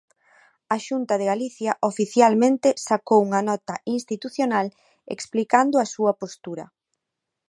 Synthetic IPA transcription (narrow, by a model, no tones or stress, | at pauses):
aʃunt̪ɐðeɣaliθjɐʔofiθjalmẽnt̪ɪsakowuŋɐnɔt̪ɐinst̪it̪uθjonal | ḛksplikand̪ʊasuɐpost̪uɾɐ̰